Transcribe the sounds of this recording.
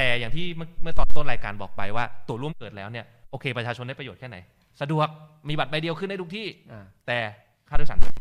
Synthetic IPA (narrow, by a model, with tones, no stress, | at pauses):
t̪ɛː˨˩ja˨˩ŋt̪ʰiː˥˩m˥˩mɯ˥˩t̪ɔː˥˩nt̪u˥˩t̪ɾaː˧jka̰ː˧nbɔ̰ː˨˩k̚pa̰˧jwaː˥˩t̪u˨˩˦ɾu˥˩əmkɤː˨˩t̪̚lɛː˦˥wni˥˩ɐ | ʔoː˧kʰeː˧pɾa˧t͡ɕʰaː˧t͡ɕʰo˧da˥˩pɾa˧joː˨˩t̪̚kʰɛː˥˩na̰˨˦j | sa˧du˨˩ək̚ | miː˧ba˨˩t̪̚ba˧jdi˧əwkʰɯ˥˩nda˥˩t̪u˦˥t̪ʰiː˥˩ʔaː˧˩t̪ɛː˨˩ | kʰaː˥˩da˦˥a˧˩